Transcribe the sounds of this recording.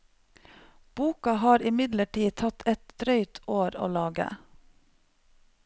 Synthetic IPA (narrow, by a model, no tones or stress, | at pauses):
b̥uːkɑhɑːɾɪmɪd̪ləʈiːt̪ʰɑt̪ʰɛt̪d̪ɾœʏt̪ʰoːɾo̰ːlɑːɡə̰